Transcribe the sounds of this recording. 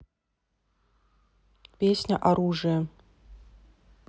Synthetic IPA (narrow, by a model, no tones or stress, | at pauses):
pʲesʲnʲɐ̰ʔaɾuʐɨjɐ